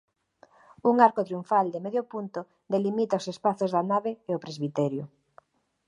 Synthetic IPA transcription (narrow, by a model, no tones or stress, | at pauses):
uŋaɾkot̪ɾjuɱfald̪emeðjopunt̪o | d̪elimit̪aosespaθozðanaβeeopɾezβit̪ɛɾjʊ